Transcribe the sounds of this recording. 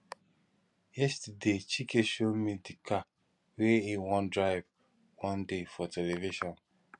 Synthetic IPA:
jɛstadet͡ʃikeʃomidika | weiwɔ̃ndɹaɪv | wɔ̃ndefɔtʰɛleviʃɔ̃n

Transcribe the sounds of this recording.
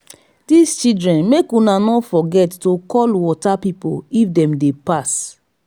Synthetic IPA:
dist͡ʃildɹɛ̃nmekunanɔfɔɡɛtːokɔlwɔtapipoifdɛ̃mdepas

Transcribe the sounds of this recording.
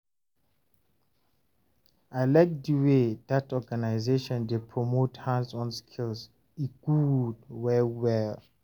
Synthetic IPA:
ajlak̚diwedatɔɡanajzeʃɔ̃ndepʰɹɔmothãnsɔ̃nskʰils | iɡ̥udwɛwɛl

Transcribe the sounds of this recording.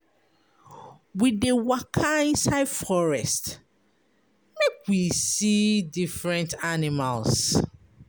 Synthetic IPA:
widewakʰaĩnsaɪdfɔɹɛst | mekwisidifɹɛ̃ntanimals

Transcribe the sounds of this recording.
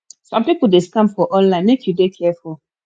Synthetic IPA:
sãmpipudeskãmfɔʔɔ̃nlãɪ̃nmekʰjudekʰɛfu

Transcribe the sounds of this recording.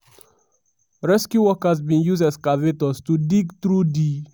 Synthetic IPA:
ɹɛskjuwɔkazbĩnjuzɛskavetɔstudiɡtɾudi

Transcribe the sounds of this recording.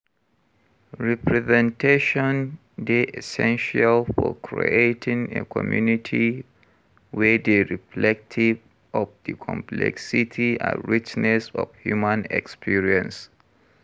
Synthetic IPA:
ɹɛpʰɹɛzɛ̃ntʰeʃɔ̃n | deʔɛsɛ̃nʃalfɔ̰kʰɹḭetʰĩŋḛkʰɔmjunitʰi | wɛdeɹiflɛk̚tʰiv | ʔɔfdikʰɔ̰̃mpʰlɛ̰ksitʰia̰ɹit͡ʃnɛsɔ̰vhjumãnɛ̰kspʰiɹiə̃ns

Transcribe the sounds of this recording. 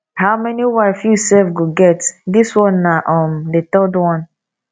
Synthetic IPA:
haʊmɛniwaɪfjusɛlfɡoɡɛtdiswɔ̃nːaʔɔmdet̪ɔdwɔ̃n

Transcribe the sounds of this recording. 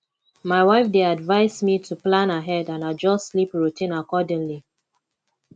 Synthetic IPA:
maɪwaɪfdeadvaɪsmitʰuplãnaɦɛdãnaɪd͡ʒɔstːlipɹutʰĩnakɔdɪ̃ŋli

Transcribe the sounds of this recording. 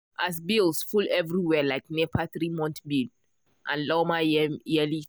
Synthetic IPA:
ʔas̬bilsfulɛvɹiwɛlaɪk̚nɛpʰaθɹimɔ̃ntbil | ʔãnlɔmajɛli

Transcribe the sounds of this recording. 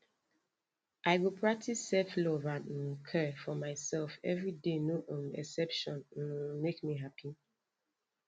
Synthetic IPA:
ʔaɪwipʰɹak̚tʰisːɛflɔvãnnkʰɛfɔmaɪsɛlfɛ̰vɹidenoʔõnɛ̰sɛpʃɔ̃nwmekmiɦapʰi

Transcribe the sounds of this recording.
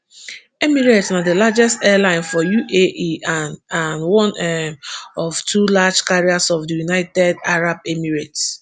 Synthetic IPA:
emiɹetsnadəlad͡ʒɛstɛlãɪ̃nfɔjuʔeʔianwɔ̃nɛɔv̥tʰulad͡ʒkaɹiasɔfdəjunaɪtɛdaɹab̚emiɹets

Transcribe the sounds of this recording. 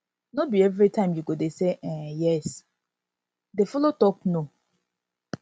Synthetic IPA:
nobiɛvɾitãɪ̃mjuɡodeseʔɛ̃jɛs | defɔlotɔpno

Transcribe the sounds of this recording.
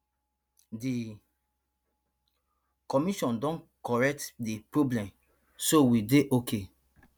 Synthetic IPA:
di | kɔmiʃɔ̃ndɔ̃nkɔɹɛk̚tdipɹoblɛ̃m | sowideʔokʰe

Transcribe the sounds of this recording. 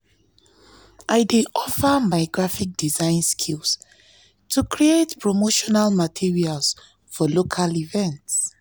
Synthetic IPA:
ʔaɪdeʔɔfəmaɪɡɹafik̚d̥izãɪ̃nskʰils | tʰukʰɹietpʰɹomoʃɔnalmatʰiɹials | fɔlokʰalivɛ̃nts

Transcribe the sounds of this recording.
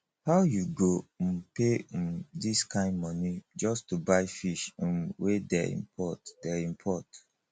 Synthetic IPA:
haʊjuɡopẽmdiskʰãɪ̃ndmɔnid͡ʒɔstubaɪfiʃ̩mwedɛ̰ḭ̃mpʰɔtdɛĩmpʰɔt

